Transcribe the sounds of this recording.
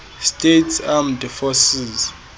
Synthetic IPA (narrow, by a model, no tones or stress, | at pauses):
stʼetʰsamdɛfɔsiz